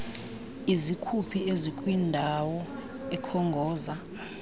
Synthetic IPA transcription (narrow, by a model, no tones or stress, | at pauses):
izikʰupʰiezikʼwindʱawɔ | ɛkʰɔŋɡʱɔːza